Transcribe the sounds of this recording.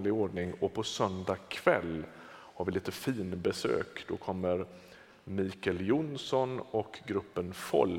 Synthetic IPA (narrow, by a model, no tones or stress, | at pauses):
lɪoːɖɳɪŋɔpʰɔsœnd̪akʰv̥ɛlː | haɾvɪliːt̪əfiːnbɛsø̰ːkd̪̥ɔkʰɔmːəɾ | miːkɛljʊnsɔnɔkɡɾɵpːənfɔ̰lː